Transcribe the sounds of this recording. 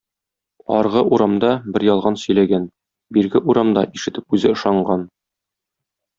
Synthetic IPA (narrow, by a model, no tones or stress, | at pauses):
ɒ̰ɾʁɤʔuɾɑmd̪ɑbɘɾjɒlˠʁɑnsɵ̆jlæɡæn | biɾɡɘʔuɾɑmd̪ɑʔiʃɘ̆t̪ɘp̚ʉzɘŏʃɑɴɢɑn